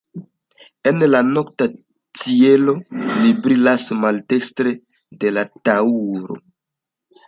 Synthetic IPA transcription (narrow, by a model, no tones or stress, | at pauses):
e̞nlano̞kta | t͡sie̞lo̞libɾilasmalte̞kstɾe̞ | de̞latauɾo̞̰